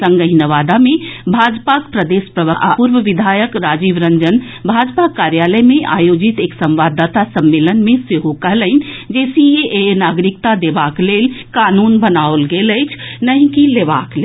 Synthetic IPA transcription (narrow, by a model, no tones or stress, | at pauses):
sə̃ŋɡəɦinəʋaːd̪amẽbʱad͡ʒpakpɾəd̪espɾəʋəʔa̰puɾʋəʋid̪ʱaːjəkɾad͡ʒiʋɾəɲd͡ʒən | bʱad͡ʒpakaɾjaləmeʔa̰jod͡ʒit̪eːksə̃mʋaːd̪ʱːat̪asəmːelənmẽseɦokəɦlənd͡ʒɛːsieʔenaɡɾikt̪ad̪ebakleːlkanuːnbənaolɡeləjt͡ʃʰnəɦĩkileːʋakle